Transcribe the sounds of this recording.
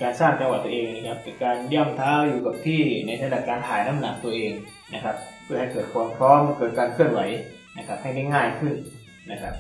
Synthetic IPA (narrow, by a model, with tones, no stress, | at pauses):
kaː˧nsaː˥˩ŋt͡ɕa˧ŋwa˨˩t̪̚ːu˧ʔeː˧ŋ˧na˧kʰa˦˥p̚kɯ˧˩kaː˧nji˥˩əmt̪ʰaː˦˥wjuː˨˩ka˨˩p̚t̪ʰiː˥˩na˧jɾa˧da˨˩p̚kaː˧nt̪ʰaː˩˦jnaː˦˥˨mna˨˦k̚t̪u˧ɐʔeː˧ŋ | na˦˥kʰa˦˥p̚pʰɯ˥˩ha˨˩jkɤː˨˩t̪̚kʰwaː˧mpʰɾɔː˦˥mkɤː˨˩t̪̚kaː˧nkʰɯ˥˩ənwa˩˦j | na˦˥kʰa˦˥p̚ha˥˩jna˥˩jŋaː˥˩jkʰɯ˥˩n | na˦˥kʰa˦˥p̚